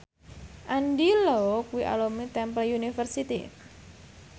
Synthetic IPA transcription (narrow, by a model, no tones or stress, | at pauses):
ʔanɖilɔkuiʔa̰lomit̪ɛmpəljunifərsit̪ḭ